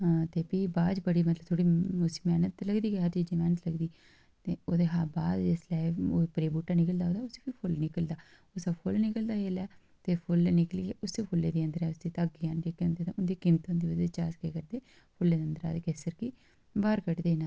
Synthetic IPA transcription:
t̪eːpiːbaːd͡ʒbəɽiːmət̪ləbt̪ʰoːɽiːʊsi̥ːmɛːnət̪ləɡd̪iːkeɦəɾt͡ʃiːd͡ʒiːmɛːnət̪ləɡd̪iː | t̪eːoːd̪eːɦaːbaːd̪d͡ʒeslɛːoːpɾeːbuːʈːaːnɪkəld̪aːoːd̪aːʊseːpipʰʊlnɪkəld̪aː | ʊsaːpʰʊlnɪkəld̪aːɦeːlɛː | t̪eːpʰʊlnɪkliːɡeʔʊsd̪eːpʰʊlːeːd̪iːə̃nd̪əɾɛːʊsd̪eːt̪aɡjaːnd͡ʒeːkeʊ̃nd̪eːt̪aʊnd̪iːkɪmt̪ɦõːnd̪iːʋəd͡ʒ̪et͡ʃaːskekəɾd̪eː | pʰʊlːeːd̪ənd̪əɾa̰ːd̪eːkeːsəɾki | baːɾkəʈd̪eːnãː

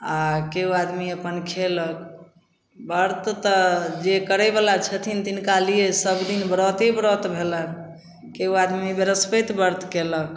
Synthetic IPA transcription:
akeɦuad̪miəpənkʰelək | bəɾt̪t̪əd͡ʒekəɾɛbalat͡ʃʰət̪ʰint̪inkalijesəbd̪inbɾɔt̪ebɾɔt̪bʱelən | keɦuad̪mibeɾəspət̪bəɾt̪kelək̚

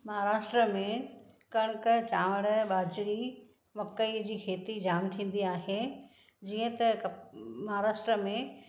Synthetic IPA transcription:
mɐɦaɾaːʃʈɾəmẽkɐɽ̃kət͡ɕaːʋəɽəɓaːd͡ʑɽi | mɐkːəid͡ʑiːkʰeːt̪id͡ʑaːmt̪ʰĩːn̆d̪iaːɦe | d͡ʑiːə̃t̪ɐ | mɐɦaɾaːʃʈɾəmẽ

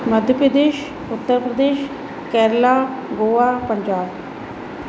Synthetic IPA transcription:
məd̪ʱjəpɾəd̪eːʃ | ʊt̪ːəɾpɾəd̪eːʃ | kɛːɾlaːɡoːaːpəɲd͡ʒaːb

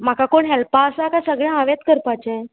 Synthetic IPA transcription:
m̤akakoɳɦɛlpaəsaːkasəɡɭjããʋet̪kəɾpat͡ɕa

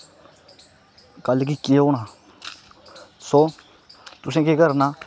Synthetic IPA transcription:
kəlk̬iːkeːoːnaː | soː | t̪ʊsẽːkekəɾnaː

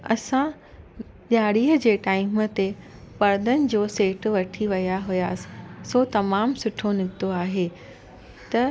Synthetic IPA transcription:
ɐ̰sã | ɗaːɽiːɦəd͡ʑeːʈaːɪmə̆t̪epɐɾd̪ənɪ̆d͡ʑoːseːʈ̆ʋɐʈʰiʋɐjaɦʊjaːsɪ̥soːt̪ɐmaːmsʊʈʰonɪɡ̚t̪oaːɦeː | t̪ɐ

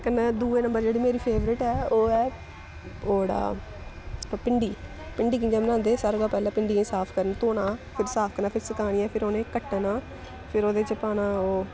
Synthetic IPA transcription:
kənd̪uːeːnəmbəɾd͡ʒeːɽiːmeːɾiːpʰeːʋɾɪʈɛːoːɛː | oːɽa̰ː | pɪɳɖiː | pɪɳɖiːkɪ̃d͡ʒaːmənãːnd̪eːsəɾɡaːpɛːlãːpɪɳɖiːkẽːsaːpʰkəɾənt̪oːɳãːpʰɪɾsaːpʰkəɾnaːpʰɪɾsɪkaːɽ̃iːɛːpʰɪɾoːnẽːkəʈːnaː | pʰɪɾoːd̪eːt͡ʃəpaːnaːoː

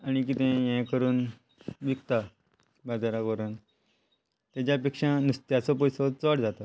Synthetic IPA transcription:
aɽ̃ik̬it̪ɛ̃jɛ̃kəɾuːn | ʋikt̪a | bad͡zaɾakoɾən | t̪jat͡ɕaːp̬ekʂãnust̪jat͡sɔpɔjsɔt͡səɽd͡zat̪a

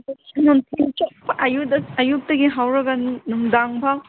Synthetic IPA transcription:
nontʰint͡ʃɐpɐʔɐjudɐɐjup̚tɐɡiɦawɾɐɡɐnnuŋdaŋbʱaw

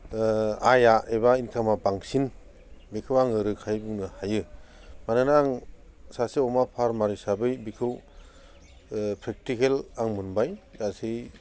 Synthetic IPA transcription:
ajaebainkʰamabaŋsin | bikʰɯwaŋɯɾɯkʰajbuŋnɯhajɯmanɯnaaŋsaseɔmapʰaɾmaɾisabɯjbikʰɯw | pʰɾek̚tikelaŋmunbajdasi

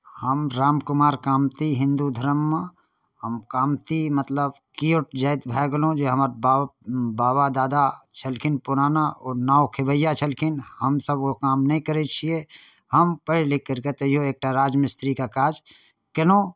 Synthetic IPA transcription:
həmɾaːmkʊmaːɾkaːmt̪iɦɪ̃nd̪ud̪ʱəɾəmːə | həmkaːmt̪imət̪ləbkioʈd͡ʒaːt̪bʱaɡlõd͡ʒeɦəmaɾbabaːbad̪aːd̪at͡ʃʰəlkʰɪnpʊɾaːnaɔːɾnaːokʰɪbəjat͡ʃʰəlkʰɪnhəmsəbkokaːmnɐɦĩkəɾet͡ʃʰie | həmpəɪlɪkːəɾket̪əijoeːk̚ʈaɾaːd͡ʒmɪst̪ɾikakaːd͡ʒ | kənõ

